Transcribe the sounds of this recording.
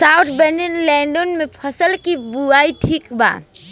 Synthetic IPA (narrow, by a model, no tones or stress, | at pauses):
saːʊt̪ʰbɛɳənlɛ̃ːɳɖənmẽpʰəsəlkibuaːiʈʰiːkba̰ː